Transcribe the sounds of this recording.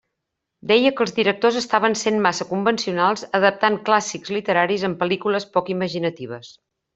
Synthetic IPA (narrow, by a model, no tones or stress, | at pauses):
d̪ɛjəkəlˠzðiɾək̚t̪ozəst̪aβ̞ənsenmasəkumbənsiunalˠzəðəp̚t̪aŋklasikzlit̪əɾaɾizəmpəlikuləspɔkiməʒinət̪iβ̞əs